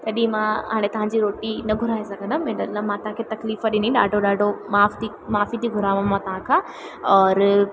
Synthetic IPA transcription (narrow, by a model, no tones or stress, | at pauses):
t̪ɐɗĩmãɦa̰ːɽ̃et̪ɐʋãɲd͡ʑiɾoːʈinɐɡʱʊɾaːesɐɡʱə̃nd̪ʱɐmẽɖɐlamãt̪ɐɦãkʰet̪ɐkliːfəɗɪnĩɗaːɖʱoɗaːɖʱomaːft̪i | maːfit̪ʰiɡʱʊɾaːʋõmãt̪ɐʋ̤ãkʰãː | ɔːɾ